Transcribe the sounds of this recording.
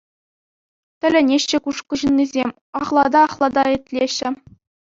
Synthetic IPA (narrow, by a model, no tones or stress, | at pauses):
t̪ʲɘ̆lʲɘ̆nʲeɕːɘ̆kuʂkŭʑɤ̆nʲːizʲemʲ | ɑχlˠɑd̪ɑːχlˠɑd̪ɑɘ̆tʲlʲeɕːɘ̆